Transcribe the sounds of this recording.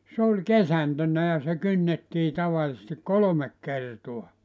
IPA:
s olʲ kesæntønːæ jɑ se kynːetːiː tɑʋɑlĭsesti kolomek kertuɑ

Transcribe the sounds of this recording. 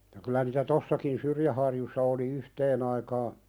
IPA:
jɑ kylæ niːtæ tosːɑkin syrjæhɑrjusːɑ oli yhteːn ɑikɑː

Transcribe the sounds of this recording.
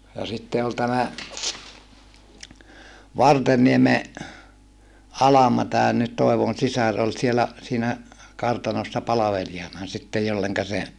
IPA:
jɑ sitːe ol tæmæ ʋɑrtenːieme ɑlɑmɑ tæːn nyt toˑeʋon sisɑr ol sielæ siːnæ kɑrtɑnosːɑ pɑlɑʋeliɑnɑ sitːej jolːeŋkɑ se

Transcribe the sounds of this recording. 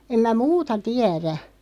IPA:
em mæ muːtɑ tiæræ

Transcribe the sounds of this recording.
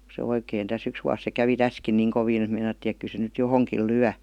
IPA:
se oikeˑin tæs yks ʋuɑs se kæʋi tæskin niːŋ koʋiːn et meinɑtːiːn ek ky se nyt johoŋkiˑl lyæ

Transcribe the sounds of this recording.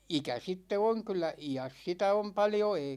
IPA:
ikæ sitːe oŋ kylˑæ ijæs sitæ om pɑljo eˑi

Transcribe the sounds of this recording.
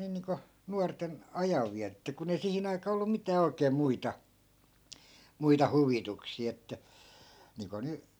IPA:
niː niːŋko nuɑrten ɑjɑʋːiætetːæ kun ei sihin ɑikɑː olːu mitæː oikeː muitɑ muitɑ huʋituksiˑ etːæ niːŋko ny

